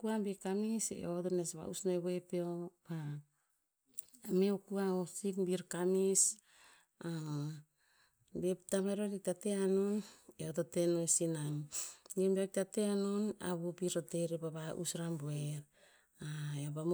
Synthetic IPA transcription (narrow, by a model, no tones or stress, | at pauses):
kuambikamisḛotonesβa̰ṵsnoeβoepeopa | meokuaosikbiɾkamis | a | beptameɾolitateanoneotote̞noesinaŋibak̚tateanona̰βupiɾote̞ɾepabaʔṵsɾamboeɾ | aeobam